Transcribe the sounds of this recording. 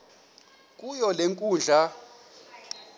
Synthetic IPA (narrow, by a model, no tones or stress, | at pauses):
kʼujɔleŋkʼuːnd͡ɮʱa